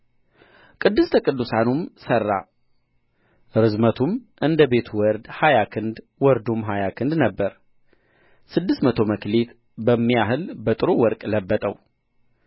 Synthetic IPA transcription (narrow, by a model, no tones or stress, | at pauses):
kʼɨd̪ːɨst̪ʰəkʼɨd̪ːusanumsərːa̰ | ɨɾɨzmət̪ʰumʔɨnd̪əbe̞t̪ʰwɔɾd̪hajakʰɨnd̪ | wɔɾd̪umɦajakʰɨnd̪nəbːəɾ | sɨd̪ːɨst̪mət̪ʰo̞məklet̪ | bəmːijaɦɨlbət̪ʼɨɾowɔɾkʼləbːət̪ʼəw